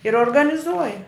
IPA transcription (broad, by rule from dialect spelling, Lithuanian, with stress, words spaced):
ɪr oːrɡɐnʲɪˈzuɔjɛ